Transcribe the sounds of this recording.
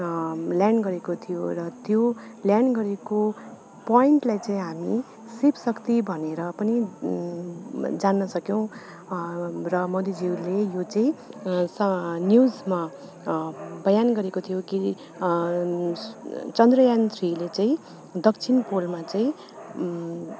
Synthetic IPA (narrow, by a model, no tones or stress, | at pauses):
ljaɳɖɡʌɾekot̪ʰijorʌt̪joljaɳɖɡʌɾeko | pʌiɳʈlajt͡saĩɦami | sipsʌkt̪ibʱʌneɾʌpʌni | d͡zanːʌsʌkjʌw̃ | rʌmod̪id͡ziwlejot͡saĩsʌnjud͡zma | bʌjanɡʌɾekot̪ʰijoki | t͡sʌnd̪rʌjant̪ʰrilet͡saĩ | d̪ʌk̚t͡sʰinpolmat͡saĩ